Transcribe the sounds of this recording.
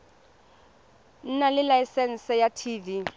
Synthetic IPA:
n̩nalɪlajsɛn̩sɛjatʰiːvi

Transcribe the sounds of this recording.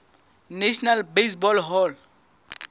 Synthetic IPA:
neʃnalbesbɔlɦɔl

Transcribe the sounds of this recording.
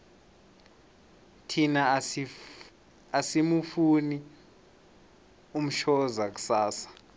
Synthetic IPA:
tʰina | asimufuni | um̩ʃɔzak̬u̥saːsḁ

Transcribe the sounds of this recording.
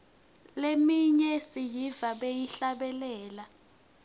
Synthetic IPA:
lemiɲɛsijivaɓejiɬaɓɛlɛːla

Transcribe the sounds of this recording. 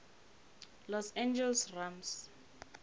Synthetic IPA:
lɔsɛ̃nd͡ʒɛlsrams

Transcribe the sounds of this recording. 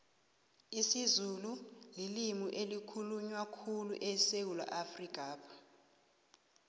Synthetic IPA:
isizululilimuʔelikʰuluɲwakʰulṵʔɛsewula̰ʔafrikʼaːpʰḁ

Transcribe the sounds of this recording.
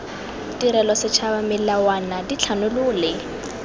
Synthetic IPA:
tʼiɾɛlɔsɪt͡ʃʰabamɪllawanadit͡ɬʰanʊlʊːlɪ

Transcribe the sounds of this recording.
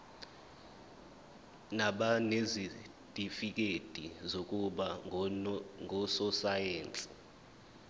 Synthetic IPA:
naɓanezi | d̥ʼʱifik̬ʼed̥ʱizok̬ʼuɓa | ŋɔsɔsajeːnt͡sʼi̥

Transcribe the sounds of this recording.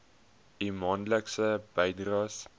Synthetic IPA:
imɑːnləksəbəjdrɑs

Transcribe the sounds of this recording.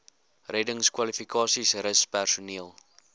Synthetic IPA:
rɛdəŋskwɐlifikɑːsisrəspærsuniəlˠ

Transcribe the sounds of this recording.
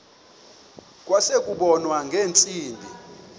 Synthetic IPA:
kʼwasekʼuɓɔnwaŋɡʱeːnt͡sʼiːndʱi

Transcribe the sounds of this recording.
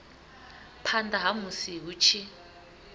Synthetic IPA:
pʰandaɦamusiɦut͡ʃʰi

